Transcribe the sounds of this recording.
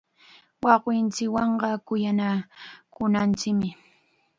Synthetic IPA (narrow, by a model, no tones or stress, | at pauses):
wɑqwɪnt͡ʃɪkwɑɴɢɑkʊjanakʊnant͡ʃɪkmɪ